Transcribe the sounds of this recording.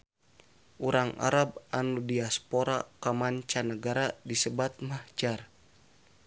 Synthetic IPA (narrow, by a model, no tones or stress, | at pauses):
ʔuɾaŋa̰ɾab̚anudiaspoɾakamaɲt͡ʃanəɡaɾadisəbat̪̚mahd͡ʒar